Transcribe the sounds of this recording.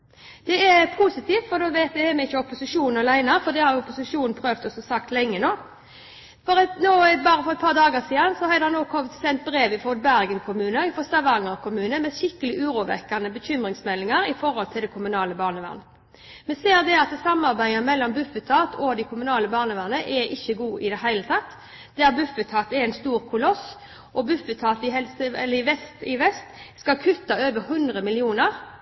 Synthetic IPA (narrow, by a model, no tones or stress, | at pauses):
d̪̥ɛɛpʰusɪt̪ʰiːft̪fɔd̪oʋeːt̪ɛɛmɛɪçːəɔpʊsɪʂuːnn̩ɑlæɪnɑfɔd̪ɛhɑɾjʊɔpʊsɪʂuːnn̩pʰɾøːʋt̪ɔsɔsɑkt̪lɛŋːənoː | fɔɾɛnoːbɑːɾəfɔɾɛt̪̚pʰɑːʁd̪ɑːɡəsiːd̪ɑnsɔhɑɪd̪hɑnːoːkʰɔmt̪sɛnt̪̚bɾeːʋɪfɔd̪̚bæɾɡənkʰʊmʉːnəɪfɔst̪ɑʋɑŋəʁkʰʊmʉːnəmɛʃɪkːəlɪʔʉːɾuːʋɛ̰kːɑnəbəçʏmɾɪŋsmɛlːɪŋɑɾɪfɔɾhɔlt̪ʰɪld̪ɛkʰʊmʉnɑːləbɑːʁnəʋæ̰ʁnə | mɛseːʁd̪ɛɑt̪sɑmɑʁbæɪəmɛlːɔmbʉfət̪ʰɑːt̪ʰɔd̪ɪkʰʊmʉnɑːləbɑːʁnəʋæʁnəʔɛʔɪçːəɡuːʔɪd̪ɛɦæɪlət̪ʰɑt̪ː | d̪æʁbʉfət̪ʰɑːt̪ɛɛɪnst̪uːʁkʰʊlɔs | ʔɔbʉfət̪ʰɑːt̪ɪɦɛlsəɛlːəɪʋɛst̪ɪʋɛst̪skɑkʰʉt̪ːɑøːʋəhʉnd̪ʁəmɪlɪuːnəʁ